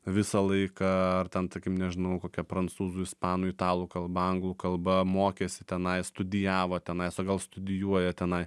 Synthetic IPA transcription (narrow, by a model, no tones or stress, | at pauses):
ʋʲɪsɐlˠɐɪkɐɐrt̪ʲɛnt̪ɐkʲɪmnʲɛʒʲɪnɐʊkoːkʲɛpɾɐnt͡ssuːzuɪspɑːnʊːɪt̪ɑːlˠuːkɐlˠbɐɐŋɡlˠuːkɐlˠbɐmoːkʲeːsʲɪt̪ʲɛnɐɪst̪ʊd̪ʲɪjæːʋoːt̪ʲɛnɐɪsoːɡɐlˠst̪ʊd̪ʲɪjuɔjɛt̪ʲɛnɐɪ